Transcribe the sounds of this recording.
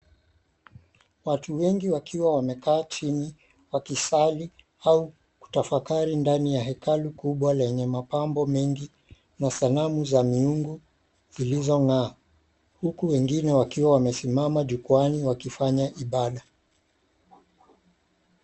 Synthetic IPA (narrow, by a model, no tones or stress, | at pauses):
watuwɛŋɡiwakʰiwawamɛkaːt͡ʃini | wakisali | au | ku̥tafakaɾindanijaɦɛkalukuɓwalɛɲɛmapambɔmɛŋɡi | nasalamuzamiuŋɡu | ilizɔŋaː | hukuwɛŋɡinɛwakiwawamɛsimamaʄukuaniwakifaɲaʔiɓaɗa